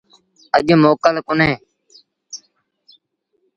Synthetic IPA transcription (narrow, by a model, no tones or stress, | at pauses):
əʄmoːkəlkʊnẽː